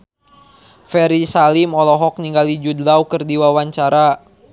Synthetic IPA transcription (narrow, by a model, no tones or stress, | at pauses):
fɛɾisalimɔlɔɦɔk̚niŋɡalid͡ʒudlawkərdiwawaɲt͡ʃaɾa